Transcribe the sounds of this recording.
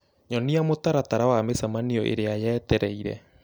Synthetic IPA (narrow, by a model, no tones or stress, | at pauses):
ɲɔniamotaɾataɾawamesamaniɔʔḛɾeajɛːtɛɾɛiɾɛ̰